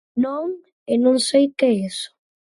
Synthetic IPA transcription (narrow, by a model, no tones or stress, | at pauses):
nõŋ | enõŋsejkeesʊ̥